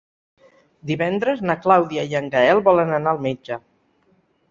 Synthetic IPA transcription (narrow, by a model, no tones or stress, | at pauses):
d̪iβɛnd̪ɾəznaklawðiaiəŋɡaɛlˠbɔlənənaːlˠmed͡ʒə